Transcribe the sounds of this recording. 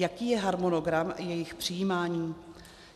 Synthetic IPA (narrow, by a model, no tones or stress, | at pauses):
jakiːjɛɦaɾmonoɡɾamjɛjɪxpr̥ɪjiːmaːɲiː